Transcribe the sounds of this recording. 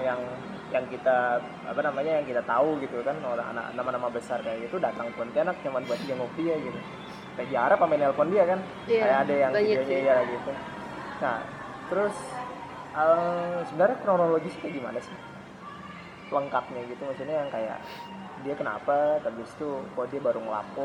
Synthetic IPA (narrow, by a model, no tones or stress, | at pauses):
jaŋ | jaŋkit̪a | a̰panamaɲajaŋkit̪at̪auɡit̪ukanoɾaŋa̰na̰knamanamabəsarkajaʔɡit̪udat̪aŋpant̪ianak̚ɲamanbuat̪̚d͡ʒaŋop̚diaɡit̪u | it̪ad͡ʒaɾapamanɛlfɔndiakan | kajakadajaŋaɲaijaaɡiit̪u | nah | t̪əɾʊs | əmsəbənarɲakɾonoloɡisi̥kaɡima̰nasɪ | ləŋkat̪̚ɲaɡit̪uməsut̪ɲajaŋkaja̰ʔ | diakəna̰pat̪abist̪ukoadiabaɾʊŋla̰pʊ